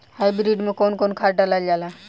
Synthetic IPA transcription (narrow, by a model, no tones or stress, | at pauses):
hajbɾiɖmekonkonkʰaɾʈalald͡ʒala